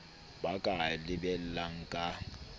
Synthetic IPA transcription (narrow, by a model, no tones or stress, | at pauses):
bakʼalɪbɛl̩laŋ̩kʼa